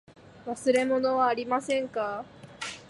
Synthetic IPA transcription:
βasɨɾe̞mo̞noβaːɾʲimasẽ̞ŋka

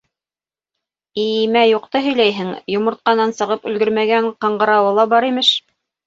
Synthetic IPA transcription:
imæjuqt̪ɤɦɵ̆jlæjɦɘŋjŏmŏɾt̪̚qɑnɑnsɤ̆ʁɤpɵ̆lɡɵɾmæɡæɴqɑ̆ɴɢɤ̆ɾɑwɤlˠɑbɑɾimɘʃ

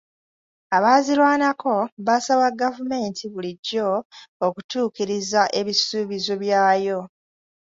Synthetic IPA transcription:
aβaːzilwaːnakʰo̞βasawaɡavume̞ːntʰiβuliɟːo̞ːkutuːkiɾizaʔe̞βisuːβizo̞βjaːjo̞

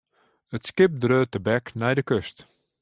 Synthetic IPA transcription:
ətskɪp̚drøːtəbɛknɛjdəkøst

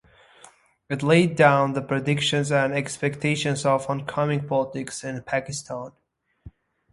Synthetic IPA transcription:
ɨtˡleɪdãʊ̃nðəpʰɹ̥ɨdɪkʃɨ̃nzɨ̃nɛkspɛk̚tʰeɪʃɨ̃nzʌvə̃nkʰʌmɪ̃ŋpʰɑlˠətɪksɪ̃npʰækɨstʰɑ̃n

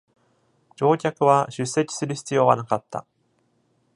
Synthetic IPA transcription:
d͡ʑo̞ːkʲakɯ̟βaɕɨsːe̞kʲi̥sɨɾɯ̟çi̥t͡sɨjo̞ːβa̰nakat̪ːa̰

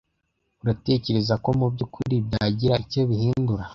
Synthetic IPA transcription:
uɾate̞ːce̞ɾe̞zako̞mubɟukʰuɾibjaːɟiɾaico̞βihiːnduɾa

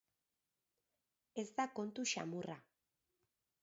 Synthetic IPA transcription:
e̞zd̪ako̞nt̪uʃa̰mura

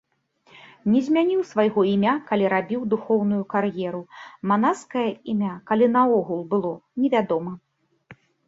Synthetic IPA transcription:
nʲɛzʲmʲanʲiwsvajɣɔimʲakalʲiɾabʲiwd̪uxɔwnujukarjɛɾumanaskɐjɐimʲakalʲinɐɔɣulˠbɨlˠɔnʲɛvʲad̪ɔmɐ

